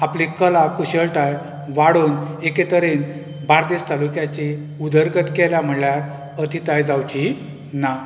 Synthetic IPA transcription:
aplikəlakuɕəlʈ̪aj | ʋaɽuːneket̪əɾen | baɾd̪est̪alukjat͡ɕi | ud̪əɾɡət̪kɛljam̤əɳljaɾ | ət̪ʰit̪ajd͡zawt͡ɕi | na

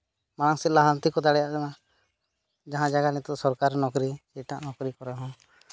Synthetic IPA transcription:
maɽaŋsɛlaɦant̪ikɔd̪aɽɛjaʔkana | d͡ʒaɦãd͡ʒaɡanit̪ɔsɔɾkaɾnɔkɾisɛʈaʔnɔkɾikɔɾɛɦɔ̃

